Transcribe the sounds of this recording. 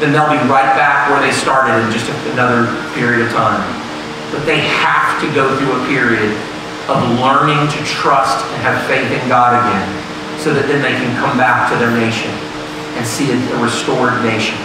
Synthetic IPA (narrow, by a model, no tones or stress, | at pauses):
ɨ̃nðeɪlˠbiɹaɪt̚b̥ækwə˞ðeɪstɑɹɾɨɾɨ̃nd͡ʒʌstɨɨnʌðə˞pʰɪɹiɨɾʌv̥tʰãɪ̃m | b̥ʌt̪̚ðeɪhæftʰɨɡoʊθɹuəpʰɪɹiɨɾ | ʌvlɜ̃˞nɪ̃ŋtʰɨtʰɹ̥ʌstɨ̃nɨv̥feɪθɨ̃nɡɑɾɨɡɛ̃n | soʊðɨt̪̚ðɨ̃nðeɪkʰɨ̃nkʰʌ̃mbæk̚tʰɨðə˞neɪʃɨ̃n | ɨ̃nsiɨtɨɹɨstɔɹdⁿneɪʃɨ̃n